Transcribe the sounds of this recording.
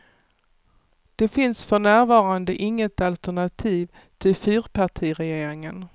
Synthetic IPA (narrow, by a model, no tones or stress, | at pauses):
d̪̥ɛfɪnsfœɳæːɾvɑːɾand̪əʔɪŋːət̪alt̪æɳat̪ʰiːv | t̪ʰɪfyːɾpʰaʈʰiːɾɛjeːɾɪŋən